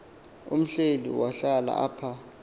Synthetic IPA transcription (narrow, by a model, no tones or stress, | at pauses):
um̩ɬelḭwaɬala̰ʔaːpʰa